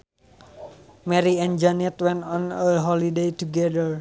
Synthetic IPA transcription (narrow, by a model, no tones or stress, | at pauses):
mɛɾiɛnd͡ʒanɛt̪wɛnɔnəlɦɔlidejt̪uɡɛdər